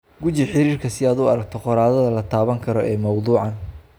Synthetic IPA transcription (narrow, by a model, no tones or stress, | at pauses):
ɡʊt͡ʃɪħɪɾiːrkʰɐsɪaːd̪ʊɐɾɐɡ̚t̪ʰɔqɔɾaːðɐðɐlɐt̪ʰaːβɐŋkʰɐɾɔʔɛːmɐwd̪uːʕɑn